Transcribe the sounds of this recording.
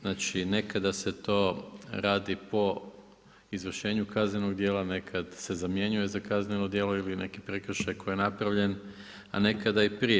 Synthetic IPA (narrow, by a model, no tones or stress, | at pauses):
znaːt͡ʃine̞kad̪ase̞t̪o̞ːɾaːd̪ipo̞ | izʋr̩ʃe̞ːɲukazneno̞ɡd̪je̞ːlˠane̞kʰad̪se̞zamje̞ɲujezakaznenod̪je̞ːlo̞ilinʔe̞kipɾe̞kr̩ʃajko̞jijenapɾaʋʎe̞n | a̰ne̞kad̪aipɾije